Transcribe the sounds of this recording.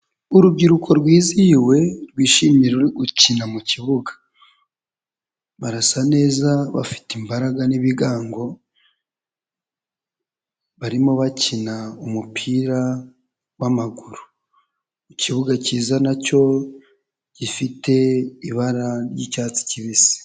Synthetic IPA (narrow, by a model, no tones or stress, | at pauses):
uɾub̚ɟiɾukʰo̞ɾɡwiːziwe̞ɾɡwiːʃimiɾeuɾiɡucinamuciβuɡḁ | βaɾasane̞ːzaβa̰fi̥timbaɾaɡaniβiɡaːŋɡo̞ | βaɾimo̞βacinaumupʰiːɾa | wamaɡuɾu | iciβuɡaciːzanaco̞ | ɟ̥ifite̞iβaɾaɾjḭcaːt͡si̥ciβisi̥